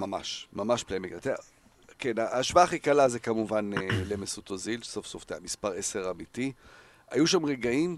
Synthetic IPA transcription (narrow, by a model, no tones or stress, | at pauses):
mama̰ʃmamaʃplemikat̪e | kenaaʃvaaːχikalazekamuvanlemesut̪ozilsofsofteamispaʁese̞ʁamiti | a̰juʃamʁeɡaim